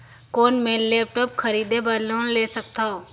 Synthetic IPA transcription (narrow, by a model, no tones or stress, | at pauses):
koːnmeːnleːp̚ʈoːp̚kʰɐɾiːd̪ebɐlõːnleːsək̚t̪aoː